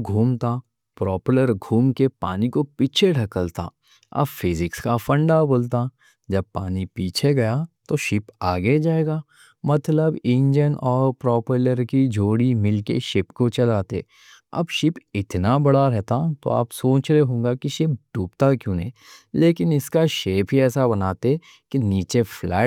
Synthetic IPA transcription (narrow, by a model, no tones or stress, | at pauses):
ɡʱuːmt̪a | pɾɔːpʊləɾɡʱuːmkepaːnikopiːt͡ʃʰeɖʱɐkəlt̪a̰ | ɐ̰bfɪzɪkskafʰɐ̃ɳɖaboːlt̪a | d͡ʒɐb̚pːaːnipiːt͡ʃʰeɡɐjat̪oʃɪpaːɡed͡ʒaːeːɡaː | mɐt̪ləbɪ̃nd͡ʒənɔːɾpɾɔːpəɾləɾkid͡ʒʱoːɽimɪlkḛʃɪpkot͡ʃɐlaːt̪ḛ | ɐ̰bʃɪpɪt̪nabɐɽaɾɛɦt̪at̪o̰a̰ːpsoːt͡ʃɾeɦõːŋ̆ɡakiʃɪp̚ɖuːpt̪akjõːnɛ̃ːleːkɪnɪskaʃeːpʰiɛːsaβɐnaːt̪e | kiniːt͡ʃeflɛː